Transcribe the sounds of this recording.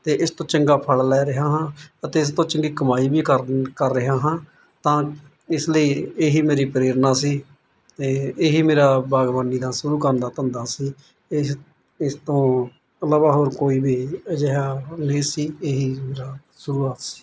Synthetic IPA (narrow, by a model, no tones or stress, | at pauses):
t̪eːʔɪst̪õːt͡ʃəŋɡaːpʰəɭlɛːɾɪɦaːɦãːət̪eːɪs̬t̪õːt͡ʃəŋɡiːkəmaːiːbiːkəɾkəɾːəɦaːɦãː | t̪ãː | ɪsləiːeːɦiːmeːɾiːpɾeːɾnaːsiː | t̪eːeːɦiːmeːɾaːbaːɡʋaniːd̪aːsʊɾuːkəɾnd̪aːt̪ənd̪aːsiː | ɪ | ɪst̪õː | ləbaːɦoːɾkoːiːbiːd͡ʒeɦaːnẽːsiːeːɦiːmeːɾaː | sʊɾuːaːt̪si̥ː